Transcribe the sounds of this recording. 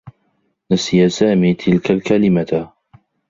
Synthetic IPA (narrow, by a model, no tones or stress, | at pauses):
nasijasaːmiːt̪ʰɪlkalkalɪmat